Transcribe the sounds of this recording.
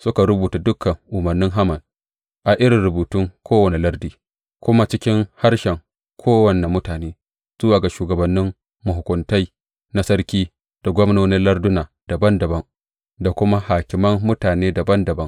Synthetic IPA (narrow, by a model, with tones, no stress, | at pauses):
sʊ˦ka˨ɾʊ˦buː˨ta˨dʊ˦kʰːɐ˨ŋʔʊ˨mɐ˨rnɪ˦ŋɦa˦mɐ˨n | ʔa˨ʔɪ˦ɾɪ˨ɾʊ˨buː˨tʊ˦ŋkʰʷoː˦wɐ˨ne˨lɐ˦rdiː˦ | kʷʊ˦ma˦t͡ʃɪ˦kʲɪ˦ŋha˦ɽʃɛ˨ŋ | kʷʰoː˦wɐ˨ne˨mʊ˦taː˨neː˦ | z̥ʊ˦waː˨ɡa˨ʃuː˨ɡɐ˨bɐ˨nːɪ˦m | mʊ˨ɦʊ˨kʷʊ˨nta˦j | na˦sɐ˦ɾkʲiː˦ | d̥a˨ɡʷɔ˦mnoː˦nɪ˦nlɐ˦rdʊ˦naː˨ | d̥a˨bɐ˦ndɐ˨bɐ˦ŋ | da˨kʷʊ˦ma˦haː˨kʲɪ˨mɐ˦mːʊ˦taː˨neː˦da˨bɐ˦ndɐ˨bɐ˦ŋ